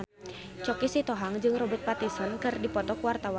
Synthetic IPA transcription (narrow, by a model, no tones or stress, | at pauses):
t͡ʃɔkisit̪ɔɦaŋd͡ʒɨŋrɔbɛt̪̚pat̪isɔnkɨrdipɔt̪ɔkwart̪awa